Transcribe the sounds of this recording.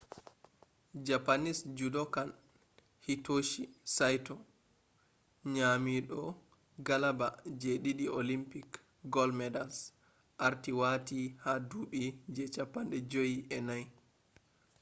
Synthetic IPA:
d͡ʒapanisd͡ʒudɔkan | hitoʃisajtɔ | ɲamiɗɔ | ɡalabad͡ʒeɗiɗiʔolimpik | ɡɔlmɛdals | ʔaɾtiwatihaduːɓid͡ʒɛt͡ʃapːanɗɛd͡ʒojiʔɛnaj

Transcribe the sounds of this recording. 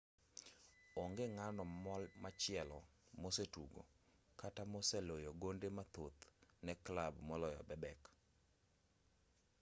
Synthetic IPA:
ɔŋɡeŋanɔmɔlmat͡ʃɪɛlɔmosetuɡo̰ | katamosɛlojoɡondemat̪ot̪nɛklabmɔlɔjɔbɛbɛk

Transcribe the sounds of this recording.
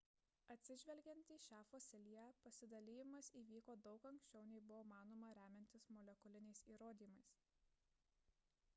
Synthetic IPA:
ɐt̪ʲsʲɪʒʲʋʲɛlʲɡʲɛnt̪iːʃʲɑːfoːsʲɛlʲijɛpɐsʲɪd̪ɐlʲiːjɪmɐsiːʋʲiːkoːd̪ɒʊkɐŋkʲsʲt͡ʃʲɛʊnʲɛɪbʊʋoːmɑːnoːmɐɾʲæːmʲɛnʲt̪ʲɪsmɔlʲɛkʊlʲɪnʲɛɪsiːɾoːd̪ʲiːmɐɪs

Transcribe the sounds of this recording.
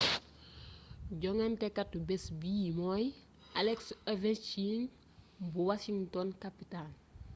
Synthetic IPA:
ɟɔŋɛntɛkatːubɛsbijimoj | alɛksevɛnt͡ʃiŋ | buwaʃiŋtɔnkapitan

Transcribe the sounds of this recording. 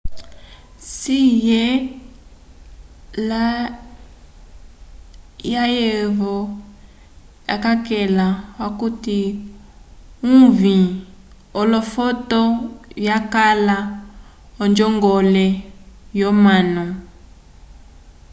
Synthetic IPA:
sijɛ | la | jajeβɔ | ja̰kakɛlawakuti | uvĩ | ɔlɔfɔtɔjakala | ɔnd͡ʒɔŋɡɔlɛjɔmanɔ

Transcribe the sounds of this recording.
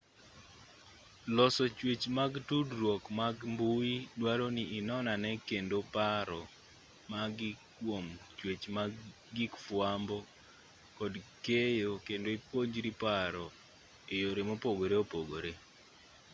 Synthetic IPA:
lɔsɔt͡ʃwet͡ʃmaɡtudɾwɔkmaɡmbuidwaɾoniːnɔnanɛkendopaɾɔ | maɡɪkwomt͡ʃwet͡ʃma | ɡikfwambɔ | kɔdkejokendoipoɲd͡ʒɾipaɾɔ | ejoɾemopoɡoɾeopoɡoɾe

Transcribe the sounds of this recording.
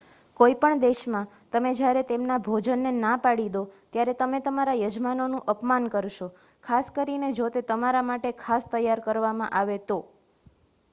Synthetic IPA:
koipəɳd̪eʃmã | t̪əmed͡ʒjaɾet̪emnabʱod͡ʒənːenapaɽid̪ot̪jaɾet̪əmet̪əmaɾajəd͡ʒmanonũʔəpmankəɾʃo | kʰaskəɾined͡ʒot̪et̪əmaɾamaʈekʰast̪əjːaɾkəɾʋamãʔaʋet̪o

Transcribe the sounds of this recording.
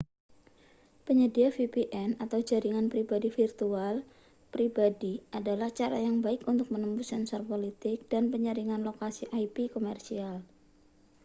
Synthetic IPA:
pəɲədiafipiʔɛnat̪awd͡ʒaɾiŋanpɾibadifirt̪ual | pɾibadiʔadalaht͡ʃaɾa̰jaŋbaɪkunt̪ʊk̚mənəmpusɛnsɔrpolit̪ɪk̚d̥anpəɲəɾiŋanlokasiʔajpikomɛrsial

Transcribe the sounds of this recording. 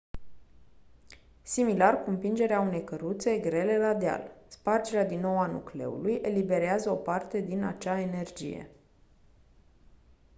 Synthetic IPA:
similarkumpind͡ʒe̞ɾeaune̞jkəɾut̪se̞ɡɾe̞le̞lad̪ea̰lspard͡ʒeɾead̪inːo̞wanṵkle̞̰ṵlujʔe̞libe̞ɾeazəo̞part̪e̞d̪inat͡ʃae̞ne̞rd͡ʒḭje̞̰

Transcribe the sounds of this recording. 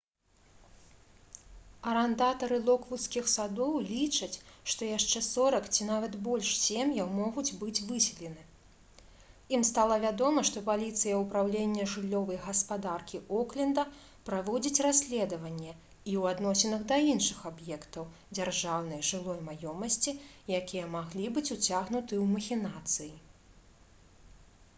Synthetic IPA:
ɐɾɛnd̪at̪ɐɾɨlˠɔkvut̪skʲixsad̪ɔwlʲit͡ʂɐt͡sʲʂt̪ɔjaʂt͡ʂɛsɔɾɐkt͡sʲinavɐt̪bɔlʲʂsʲemjɐwmɔɣud͡zʲbɨd͡zʲvɨsʲɛlʲɛnɨ | imst̪alˠɐvʲad̪ɔmɐʂt̪ɔpalʲit̪sɨjɐupɾawlʲenʲːɐʐɨlʲːɔvɐjɣɐspad̪arkʲiʔɔklʲɛnd̪ɐ | pɾavɔd͡zʲit͡sʲrasʲlʲɛd̪ɐvɐnʲːɛ | iwad̪nɔsʲɛnɐɣd̪ɐinʂɨxabjɛkt̪ɐw | d͡zʲarʐawn̪ɐjʐɨlˠɔjmajɔmɐsʲt͡sʲijakʲijɛmaɣlʲibɨt͡sʲut͡sʲaɣnut̪ɨwmɐxʲinat̪sɨji

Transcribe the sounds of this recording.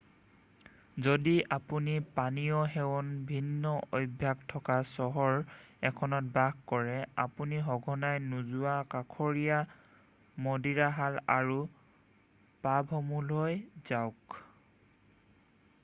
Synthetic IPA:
zodiʔapunipanijɔɦɛwɔnbʱinːɔʔojbʱːjaɡtʰɔkasɔɦɔɹɛkʰɔnɔt̚baɡkɔɹɛapuniɦɔɡʱɔnajnuzuwakakʰɔɹija | mɔdiɹaɦalaɹu | pabʱɦɔmulɦojzaʊk

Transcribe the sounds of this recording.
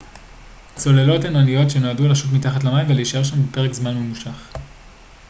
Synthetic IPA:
t͡so̞le̞lo̞tenanijo̞tʃenoadulaʃut̬mitaχatlamaimveleiʃeʁʃambepe̞ʁekzmanmemuʃaχ

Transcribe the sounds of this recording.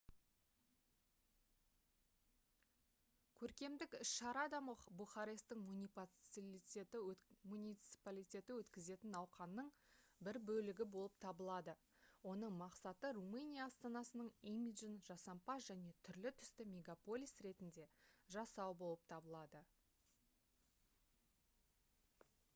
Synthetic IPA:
kʲʰɵɾkʲe̞md̪ɪkʏʃʃɑɾɑd̪ɑməbuχɑɾe̞st̪ɪŋʲip̪lite̞t̪ɪmunʲijt̪si̥palʲijt̪ʲe̞t̪ɪwɵt̪kʲɪze̞t̪ɪnɑwqɑnːəɴ | bɪɾbɵlɪɡʲɪbo̞lˠəp̚t̪ʰɑbəlˠɑd̪ə | wo̞nəɴmɑqsɑt̪əɾumɨnʲijaːst̪ɑnɑsənəɴimid̪ʒənʒ̥ɑsɑmpɑsʒæne̞t̪ʰʏɾlɪt̪ʰʏ̥st̪ɪmʲe̞ɡapo̞lʲijsɾe̞t̪ɪnd̪e̞ʒɑsɑwbo̞lˠəp̚t̪ʰɑbəlˠɑd̪ə

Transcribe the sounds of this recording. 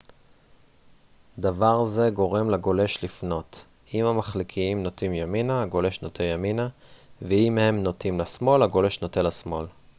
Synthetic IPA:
d̪avaʁze̞ɡo̞ʁe̞mlaɡo̞le̞ʃlifno̞t | imhamaχlikʰiimno̞t̪imjaminaːɡo̞le̞ʃnot̪ʰejaminaveimhe̞mno̞timlasmo̞laɡo̞le̞ʃnotenlasmo̞l

